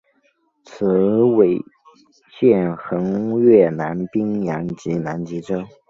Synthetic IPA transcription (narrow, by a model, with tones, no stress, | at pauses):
t͡sʰɹ̩˧˥we˨˩ɪ | ɕjɛ˥˩nxɤ˧˥ŋɥɛ˥˩na˧˥npi˥ŋjɑ˧˥ŋt͡ɕi˧˥na˧˥nt͡ɕi˧˥ʈ͡ʂɤ˥